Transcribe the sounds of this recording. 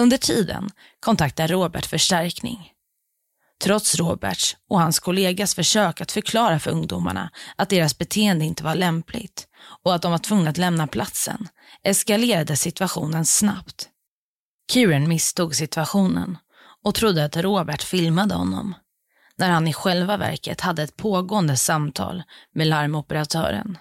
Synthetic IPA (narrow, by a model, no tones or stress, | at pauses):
ɵnd̪əʈʰiːd̪ə̰n | kʰɔnt̪ʰak̚t̪ad̪ɾoːbæ̰ʈfœʂʈæɾknɪ̰ŋ | t̪ʰɾɔt̪sɾoːbæ̰ʈɔhanskʰɔleːɡasfœʂøːkat̪fœɾkʰlɑːɾafœɾɵ̰ŋd̪uma̰ɳa̰ʔat̪̚d̪eːɾasbɛt̪ʰeːɛnd̪əɪnt̪əvaɭɛmplɪ̰ɡt̪ɔat̪̚d̪ɔmvaʈʰvɵŋːnaat̪lɛmnapʰlat̪sə̰n | ʔɛskaleːɾad̪əsɪt̪vaɧṵːnənsna̰pt̪ | kʰʉːɾɛnmɪst̪uːɡsɪt̪vaɧuːnə̰n | ɔt̪ʰɾʊd̪ːəat̪ɾoːbæʈfɪlmad̪əhɔ̰nːɔ̰m | næɾhanɪɧɛlvavæ̰ɾkə̰t̪had̪ːəɛt̪̚pʰoːɡoːənd̪əsamt̪ʰɑ̰ːlmɛlaɾmɔpəɾat̪ʰœ̰ːɾə̰n